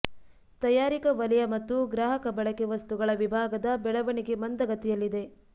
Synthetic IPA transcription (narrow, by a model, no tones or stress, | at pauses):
t̪ɐjaːɾikɐʋɐlɛjɐmɐt̪ːuɡɾaːɦɐkɐbɐɭɐkeʋɐst̪uɡɐɭɐʋibʱaːɡɐd̪ɐbɛɭɐʋɐɳiɡe̞mɐnd̪ɐɡɐt̪ɛjɐlːid̪e̞